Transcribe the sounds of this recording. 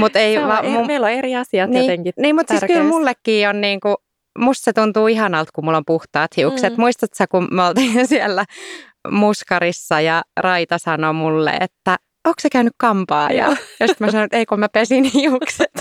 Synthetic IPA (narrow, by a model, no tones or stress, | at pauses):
mut̪eiʋɑmummeiloeɾiɑsiɑtniːeŋkiniːmmut̪siskylmulːekːiːonniːŋku | must̪set̪unt̪uːiɦɑnɑlt̪kummulːompuht̪ɑːt̪hiukset̪muist̪ɑt̪sækummolt̪insielːæ | muskɑɾisːɑjɑrɑit̪ɑsɑnomulːḛḛt̪ːæ | oːksekæynykkɑmpɑːjɑ̰jost̪mæsɑnot̪eikomæpesinhiukset̪